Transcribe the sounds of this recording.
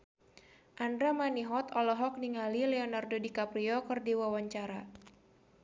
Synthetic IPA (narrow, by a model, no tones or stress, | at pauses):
ʔandɾamaniɦɔt̪ɔlɔɦɔk̚niŋalilɛɔnardodikapɾiɔkɨrdiwawaɲt͡ʃaɾa